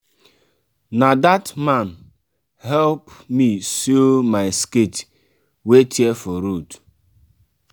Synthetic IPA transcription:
nadatman | hɛlpmisomaɪsket | wetefɔɾut

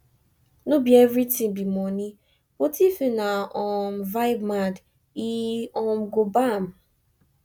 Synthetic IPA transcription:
nobievɾitĩŋbimɔni | wotifinaɔm̩vaɪbmad | iɔmɡobam̩

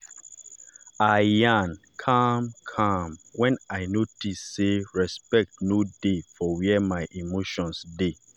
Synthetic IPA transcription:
ajãnkʰamkʰãmwɛ̃naɪnotisːeɹɛspɛk̚tnodefɔwɛɛmaɪʔimoʃɔ̃nsde

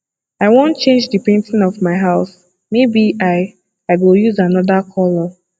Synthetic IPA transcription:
aɪwõntt͡ʃẽnd͡ʒdɨpẽntĩnɔvmaɪɦaʊs | mebiʔaɪ | aɪɡojuzanɔðakʰɔlɔ

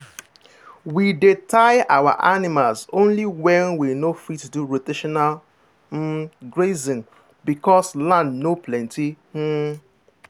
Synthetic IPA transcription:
widetʰaɪawa̰ʔanɪmalzõnliwɛ̃nwinofitːduɹoteʃɔnal̩ | ɡɹezĩŋ | bikɔslãndnoplɛ̃nti

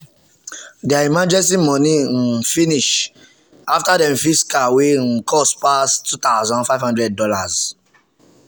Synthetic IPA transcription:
daimad͡ʒɛ̃ns̬imɔ̃nĩn̩finiʃ | aftadɛ̃mfiskawen̩kʰɔspastut̪aʊzɔ̃nfaɪvhãndɹɛd̚dɔlaz

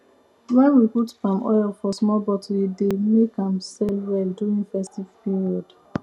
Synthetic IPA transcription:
wɛwiputfãmɔ̰jɛlfɔsmɔbɔtʰidemekãmsɛlwɛlduĩŋfɛstivpiɹiɔd̥

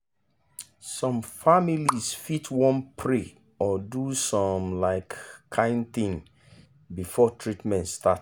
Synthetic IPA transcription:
sɔ̃mfamilisfitʰwɔ̃npʰɹe | ɔdusɔ̃mlaɪkːʰãɪ̃ndθĩŋ | bifɔtʰɹitmɛ̃ntstʰat

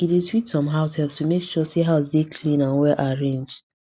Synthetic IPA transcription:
idetwitsɔ̃mɦaʊshɛlp̚tumekʃɔsiɦaʊsdekʰlĩnãnwɛʔaɹẽnd͡ʒ

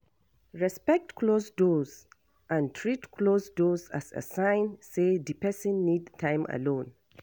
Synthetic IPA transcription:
ɹɛspɛk̚tkʰlosdoz | ʔãntʰɹitkʰlosdosa̰sa̰sãɪ̃nsedipɛsĩnːidtʰãɪ̃mə̰lõn

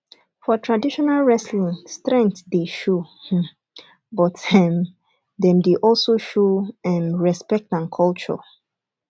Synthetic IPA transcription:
fɔtʰɹadiʃɔnalɹɛslĩŋstɹɛ̃ŋk̚tdeʃo | bɔtʰɛm | dɛ̃mdeʔɔlsoʃoɛ̃mɹɛspɛk̚tãnkʰɔlt͡ʃɔ̰

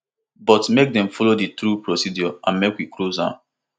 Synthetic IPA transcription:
bɔtmek̚dɛ̃mfɔloditɾupɹosidjɔãnmekwiklozã̰n

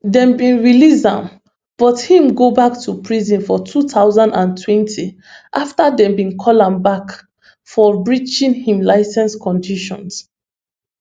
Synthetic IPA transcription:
dɛ̃mbĩnɹilisã̰m | b̥ɔthĩmɡobaktʰupʰɹizĩnfɔtʰutaʊzãndãntʰwɛ̃ntʰi | ʔaftadɛ̃mbĩnkʰɔlãmbak | fɔbɹit͡ʃĩnhĩmlaɪsɛ̃nskʰɔ̃ndiʃɔ̰̃ns

